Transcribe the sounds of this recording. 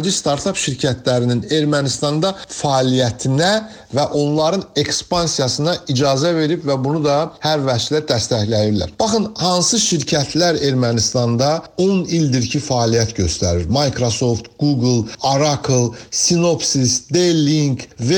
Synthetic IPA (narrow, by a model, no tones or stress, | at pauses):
d͡ʒist̪ɑɾt̪ʰɑpʃiɾcʰæt̪ʰlæɾinine̞ɾmænist̪ɑnd̪ɑfɑːlijæt̪ʰinæ | væʔo̞nlˠɑɾɯne̞kspɑnsijɑsɯnɑid͡ʒɑːzæve̞ɾibvæbunud̪ɑhæɾvæt͡ʃlæɾd̪æst̪æçlæjiɾlæ̰ɾb̥ɑχɯnhɑnsɯʃiɾcʰæt̪ʰlæɾe̞ɾmænist̪ɑnd̪ɑo̞nild̪iɾcʰifɑːlijæt̪ɟø̞st̪æ̰ɾiɾmɑjkɾoso̞ft̪ɡ̥uɡlˠɑɾɑkʰlˠsino̞psisd̪elːiŋkve